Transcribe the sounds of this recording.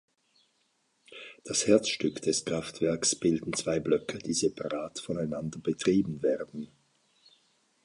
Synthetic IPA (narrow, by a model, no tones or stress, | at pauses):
d̥ashɛɐt͡sʃtʏkd̥ɛskʁ̥aftv̥ɛɐksb̥ɪldn̩t͡sv̥aɪblœkʰəd̥iːzepʰaʁaːtfɔnaɪnandɐb̥ətʁ̥iːbn̩vɛːɐdn̩